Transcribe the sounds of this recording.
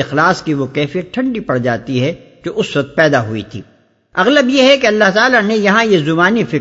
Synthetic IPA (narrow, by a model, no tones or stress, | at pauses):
ɪxlaːskiʋokɛːfijət̪̚ʈʰɐ̃ɳɖipɐɽd͡ʒaːt̪iɦɛ | d͡ʒoːʔʊsʋɐk̚t̪̚pɛːd̪aɦuḭt̪ʰḭː | ɐɣləbjeɦɛkeɐlːaɦt̪aːlanẽjɐɦãjezʊbaːnifɪ